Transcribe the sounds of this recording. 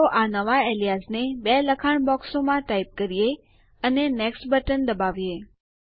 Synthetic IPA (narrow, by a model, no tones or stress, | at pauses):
oʔanəʋaelijasnebeləkʰaɳ̃bɔksomãʈaip̚kəɾije | əneneksʈbəʈənd̪əbaʋje